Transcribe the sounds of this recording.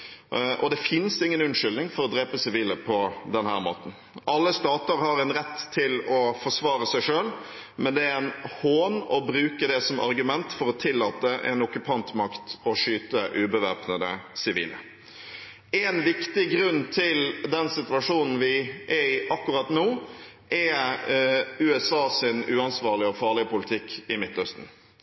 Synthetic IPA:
ʔɔd̪ɛfɪnsɪŋːənʉnʂʏlnɪŋfɔɾɔd̪ɾeːpəsɪʋiːləpʰɔd̪ɛnhæ̰ːɾmo̰ːt̪n̩ | ʔɑlːəst̪ɑːt̪əɾhɑɾɛɪnɾɛt̪ʰːɪlɔfɔʂʋɑːɾəsæɪʂøːl | mɛnd̪ɛæɛnhoːnɔbɾʉːkəd̪ɛsɔmʔɑ̰ɾɡʉmɛnt̪fɔɾɔt̪ʰɪlːɑːt̪əʔɛ̰nɔkʉpʰɑnt̪mɑkt̪ɔʂyːt̪əʔʉːbəʋɑːpnəd̪ə̰sɪʋḭːlə̰ | ɛnʋɪkt̪ɪɡɾʉnːt̪ʰɪld̪ɛnsɪt̪ʉʋɑʂuːnn̩ʋɪʔɛɪʔɑkːʉɾɑt̪nuː | ʔɛ | ʉːɛsɑːsɪnʉːɑnsʋɑːʁɭɪəɔfɑːʁlɪəpʊlɪt̪ʰɪkːɪmɪt̪ːœst̪n̩

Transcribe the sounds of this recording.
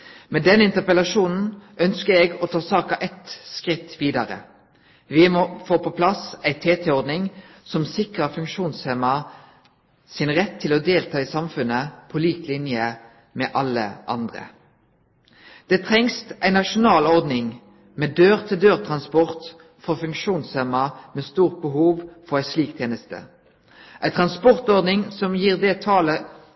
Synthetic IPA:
mɛd̪ɛnɪnt̪əpəlɑʃuːnn̩ʔœnskəɛɡot̪ʰɑːsɑːkɑʔɛt̪skʁɪt̪ːʋiːd̪ɑʁə̰ | ʋɪmɔfoːpʰɔpʰlɑsæɪt̪ʰeːt̪ʰɛɔʁd̪nɪŋ | sɔmsɪkʁəfʉŋkʃuːnseːmɑ | sɪnʁɛt̪ʰːɪloːd̪eːlt̪ʰɑːiːsɑmfʉnəpʰɔliːklɪnjə | mɛːʔɑlːə̰ʔɑ̰nd̪ʁə̰ | d̪̥ɛːt̪ʰʁɛŋst̪ʔæɪnɑʃʊnɑːlɔʁd̪nɪŋ | meːd̪øːʁt̪ʰɪld̪øːʁt̪ʰʁɑnspɔʁt̪ | fɔʁfʉŋkʃuːnshɛmɑmeːst̪uːʁt̪̚bəɦuːʋfɔʁæɪsliːk̚t̪ʰjeːnəst̪ə̰ | ʔæɪt̪ʰʁɑnspɔʁt̪ɔʁd̪nɪŋsɔmjiːʁd̪ɛt̪ʰɑːlə

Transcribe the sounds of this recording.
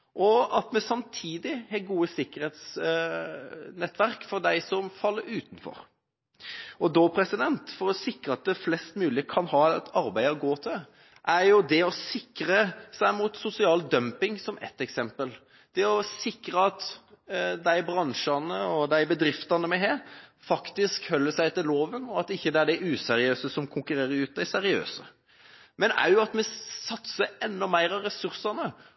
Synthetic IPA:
ʔɔɑt̪mɛsɑmt̪ʰiːd̪ɪhɛɡuːəsɪkːəɾheːt̪s | nɛt̪ːʋæɾkfɔd̪æɪsɔmfɑlːəɾʉːt̪n̩fɔ̰ɾ | ɔd̪ɔpʰɾɛsɪd̪ɛnt̪fɔɾɔsɪkɾəɑt̪̚d̪ɛflɛst̪mʉːlɪəkʰɑnhɑːɛt̪ɑɾbæɪəɔɡoːt̪ʰɪ | ʔæɾjʊd̪ɛɔsɪkɾəsæɪmʊt̪sʊsɪɑːld̪œmpɪŋsɔmɛ̰t̪ːɛksɛmpəl | d̪̥ɛɔsɪkɾəɑt̪ | d̪æɪbɾɑŋʂɑnəɔd̪æɪbəd̪ɾɪft̪ɑnəmɛɦeːɾfɑkt̪ɪskhœlːəsæɪt̪ʰɪloːʋənɔɑt̪ɪçːəd̪ɛæɖɛʔʉːsɛɾɪøːsəsɔmkʰʊŋkʉɾeːɾəɾʉːt̪̚d̪æɪsɛɾɪø̰ːsə | mɛnæ̰ɾjʊɑt̪mɛsɑt̪səɾɛnːɔmæɪɾɑɾɛsʉɾsɑnə

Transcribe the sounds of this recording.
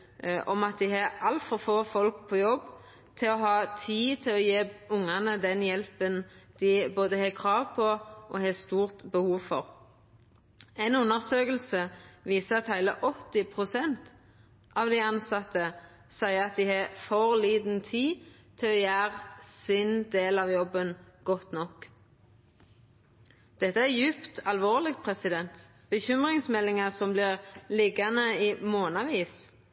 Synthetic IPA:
ʔɔmɑt̪̚d̪ɪhɑʔɑlt̪fɔʁfoːfɔlkpʰɔːjɔbː | t̪ʰɪlɔɦɑːt̪ʰiːt̪ʰɪlɔjeːbʊŋɑnəd̪ɛnjɛlpənd̪̥ɪboːd̪əheːkʰʁɑːʋpʰɔʔɔhest̪uːʁt̪bəhuːʋfɔʁ | æɪnʉnːəʁsøːkəl̩səʋiːsəɑt̪hæɪlə̰ʔɔt̪ːɪpʰʁʊsɛnt̪ | ʔɑːʋd̪ɪɑnsɑt̪ːə | sæɪəɑt̪̚d̪ɪhɑːfɔʁliːd̪n̩t̪ʰiː | t̪ʰɪlɔjæːʁsɪnd̪eːlɑʋjɔbːənɡ̥ɔt̪nɔk | d̪̥ɛt̪ːəæʁjʉpt̪ʰɑlʋoːʁlɪɡpʰʁɛsɪd̪ɛnt̪ | b̥əçʏmʁɪŋsmɛlːɪŋəsɔmblɪʁlɪɡɑnəiːmoːnɑʋiːs

